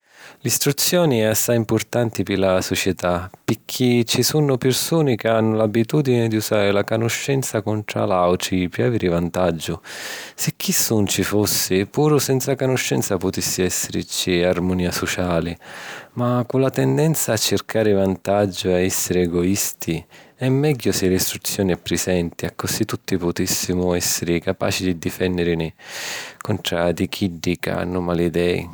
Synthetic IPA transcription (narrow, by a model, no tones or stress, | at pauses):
list̪ɾut̪sːjɔːniɛasːajimpʊrt̪ant̪ipɪlasot͡ʃjɛt̪apɪkʰːit͡ʃːisunːʊpɪrsuːnɪkeanːʊlabːit̪uːd̪inɪd̪iusaːɾɪlakonʊʃːɛnt̪sakʊnt̪ɾa̰lawʈɾipiaviɾɪvant̪ad͡ʒːʊsɪk̟ʰːisːunt͡ʃifosːɪpuːɾʊsɛnt̪sakonʊʃːɛnt̪sapʊt̪isːɪɛsːɪɾɪ̰t͡ʃiarmoniːasɔt͡ʃaːlɪmakulat̪ɛnd̪ɛnt̪saːt͡ʃːɪrkʰaːɾɪvant̪ad͡ʒːʊaɛsːɪɾɪɛɡɔist̪iɛmːɛɟːʊsɪlist̪ɾut̪sːjɔːnɪɛpːɾɪzɛnt̪iakːʊsit̪ːut̪ːipʊt̪isːimʊɛsːɪɾɪkapa̰ːt͡ʃid̪id̪ifɛnːɪɾɪnɪ | kʊnʈ̪ɾad̪ikʰiɖːika̰nːʊmalid̪ɛːḭ